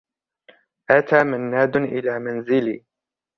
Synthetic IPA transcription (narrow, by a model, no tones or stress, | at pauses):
ʔat̪aːmanːaːd̪ʔɪlaːmanzɪliː